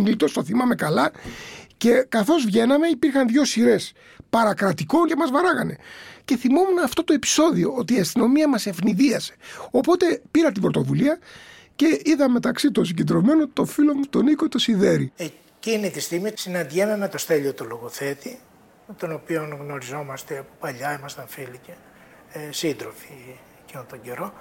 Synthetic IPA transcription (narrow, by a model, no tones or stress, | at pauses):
nilt̪ost̪oθimɐme̞kɐlɐce̞kɐθo̞zvʝe̞nɐme̞ipiɾxɐnðʝo̞siɾe̞s | pɐɾɐkɾɐt̪iko̞ncemɐzvɐɾɐɣɐne̞ce̞θimo̞munɐːft̪o̞t̪o̞e̞pi̥so̞ðio̞ot̪iːɐst̪ino̞miɐmɐse̞fniðiɐse̥o̞po̞t̪e̞piɾɐt̪̬ibɾot̪o̞vuliɐ | ce̞iðɐme̞t̪ɐksit̪ons̬iɟend̪ɾo̞me̞not̪o̞filo̞mut̪o̞niko̞t̪o̞siðe̞ɾie | cinit̪ist̪iɣmisinɐnd̪ʝenɐnet̪o̞st̪e̞ʎiot̪oloɣoθe̞t̪i | t̪o̞no̞pio̞nɣno̞ɾizo̞mɐst̪eɐpopɐʎɐimɐst̪ɐɱfilice | sind̪ɾofi̥ | ecinont̪oɟeɾo̞